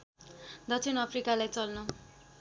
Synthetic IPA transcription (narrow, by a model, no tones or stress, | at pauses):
d̪ʌt͡sʰinʌpʰrikalajt͡sʌlnʌ